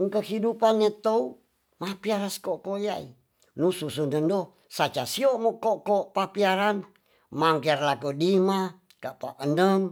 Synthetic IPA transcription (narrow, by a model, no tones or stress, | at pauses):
ŋkəhidupanːet̪ou | mapiaɾaskoʔkojaḭ | nususundəndo | sat͡ʃasiomokoʔkopapiaɾan | maŋkerlakodima | kaʔpaʔənəŋ